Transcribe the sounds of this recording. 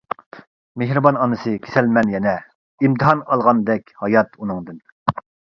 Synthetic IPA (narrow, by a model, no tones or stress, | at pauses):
meɦɾɨbɑnɑnɨsɨkʲʰe̥sɛlmɛnjɛnɛ | imt̪ʰɨɦɑnɑlˠʁɑnd̪ɛkʲhɑjɑt̪unɨŋd̪ɨn